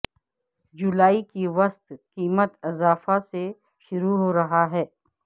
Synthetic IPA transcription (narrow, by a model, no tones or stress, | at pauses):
d͡ʒʊlaːikiʋɐst̪kiːmət̪ɪzaːfase | ʃʊɾuɦoːɾɐɦaɦɛː